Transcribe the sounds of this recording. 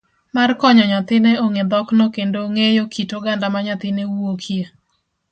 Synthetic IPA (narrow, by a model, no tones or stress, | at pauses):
markɔɲɔɲat̪ɪneoŋed̪ɔknɔkendoŋejokʰitoɡandamaɲat̪ɪnewuokʰje